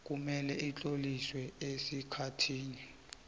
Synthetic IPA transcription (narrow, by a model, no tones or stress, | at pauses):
k̬ʼumɛlɛʔit͡ɬʼoliswɛesikʰatʰiːni